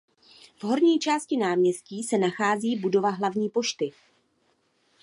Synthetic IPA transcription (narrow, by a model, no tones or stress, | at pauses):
v̥ɦo̞ɾɲiːt͡ʃaːscɪnaːmɲɛsciːsɛnaxaːziːbudo̞vaɦlavɲiːpo̞ʃt̪ɪ